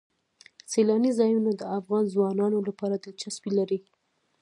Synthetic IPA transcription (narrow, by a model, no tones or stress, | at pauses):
selɑnizɑjunad̪əafɣɑnzwɑnɑnolapɑɾad̪ət͡ʃaswilaɾi